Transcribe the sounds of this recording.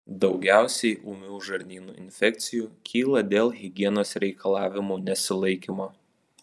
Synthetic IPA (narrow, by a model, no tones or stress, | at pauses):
d̪ɒʊɡʲæˑʊsʲɛɪʔuːmʲuːʒɐɾʲnʲiːnuːɪ̰nʲfʲɛk̚t̪sʲɪjuːkʲʰiːlˠɐd̪ʲeːlˠɣʲɪɡʲiɛnoːsɾʲɛɪkɐlˠɑːʋʲɪmuːnʲɛsʲɪlˠɐɪkʲiːmoː